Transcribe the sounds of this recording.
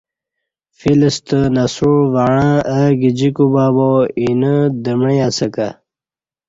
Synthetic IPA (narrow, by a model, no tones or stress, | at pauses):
filəst̪ənɐsuvaɻãːʔəɡid͡ʑikubaːboinəd̪əmɳijasəka